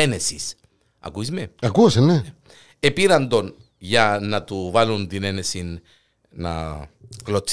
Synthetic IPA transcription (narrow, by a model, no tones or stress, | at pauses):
ene̞sis | ɐ̰kuizme̞ɐkusenːee | epiɾɐnd̪o̞n | ʝɐnɐt̪uvɐlunt̪ine̞ne̞sinː | ɐ̰klot͡s